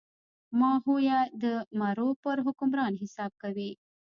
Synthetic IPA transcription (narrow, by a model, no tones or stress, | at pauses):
maːɦujad̪əmaɾopəɾɦʊkumɾaːnɦɪsaːb̚kɐʋiː